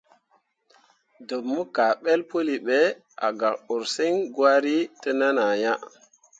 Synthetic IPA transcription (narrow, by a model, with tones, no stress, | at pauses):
do˨mːu˦ka˨ɓe˦lpo˦li˨ɓe˨˦ | a̰˨ɡa˨ko˨ɾsi˦ŋɡwa˦ɾi˦tə˦na˦na˨ja˦